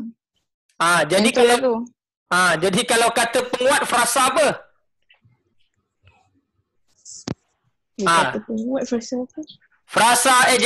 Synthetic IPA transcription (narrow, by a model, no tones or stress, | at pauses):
ãd͡ʒadikala | ãd͡ʒadikalawkat̪əpəŋũat̪̚fəɾasabə | aaəpəŋuat̪̚fɾasapə | fəɾasaɛd͡ʒ